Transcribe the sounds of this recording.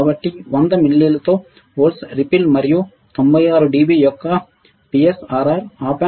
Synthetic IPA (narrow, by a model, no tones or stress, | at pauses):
ɐʋɐʈːiʋɐnd̪ɐmilːilɐt̪oː | oːlsɾipilmɐɾiju | t̪ombɐjaːɾuɖiːbijɔkːɐ | piesaːɾaːɾaːpa